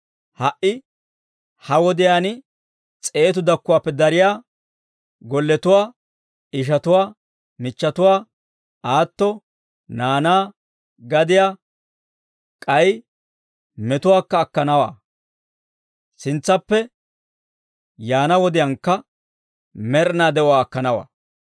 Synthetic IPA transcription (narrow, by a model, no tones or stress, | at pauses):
hɐʔʔɪ | hɐwɔd̪ɪjaːn | t͡sʼe̞ːt̪ʊd̪ɐkːʊwaːpːɛd̪ɐɾɪjaː | ɡɔlːɛt̪ʊwaː | ɪʃ̬ɐt̪ʊwaː | mɪt͡ʃːɐt̪ʊwaː | aːt̪ːɔ | naːnaː | ɡɐd̪ɪjaː | kʼɐj | mɛt̪ʊwaːkːɐːkːɐnɐwa̰ː | sɪnt͡sːɐpːɛ | jaːnɐwɔd̪ɪjaːnkːɐ | mɛɾnaːd̪ɛɔwaːkːɐnɐwa̰ː